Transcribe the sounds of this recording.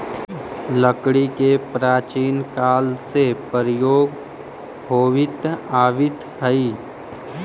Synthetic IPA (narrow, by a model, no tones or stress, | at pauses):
ləkɽikepɾaːt͡ʃiːnkaːlsepəɾjoːɡ | ɦoːʋɪt̪aːʋɪt̪ | ɦəiː